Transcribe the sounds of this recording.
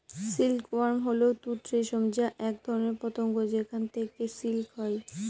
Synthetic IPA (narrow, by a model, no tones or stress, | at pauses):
silkwaɾmɦoleot̪ut̪ɾeʃɔmd͡ʑaʔɛk̚d̪ʱɔɾoneɾpɔt̪oŋɡod͡ʑekʰant̪ʰekesilkɦɔe